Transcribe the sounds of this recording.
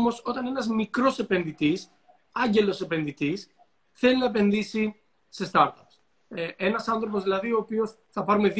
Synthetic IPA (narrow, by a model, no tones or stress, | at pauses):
mo̞so̞t̪ɐne̞nɐzmikɾo̞se̞pe̞nðit̪is | ɐɲɟe̞lo̞sepe̞nðit̪is | θe̞linɐep̬e̞nðisi | se̞st̪ɐɾt̪ɐps | enɐsɐnθɾo̞p̬o̞zðilɐðio̞ːpio̞s | θɐpɐɾume̞ð